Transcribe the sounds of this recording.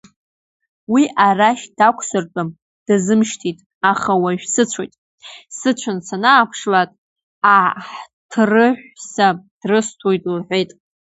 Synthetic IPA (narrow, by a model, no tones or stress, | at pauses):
wiʔaraʃd̥akʷʰsɨrt͡pʼam | d̥azɨmʃtʰitʼ | aχawaʒᶣsɨt͡ɕʷʰojtʼ | sɨt͡ɕʷʰant͡sʰanaːpʰʂlatʼ | aħtʰrɨħʷᶣsad̥rɨstʰojtʼulħʷᶣejtʼ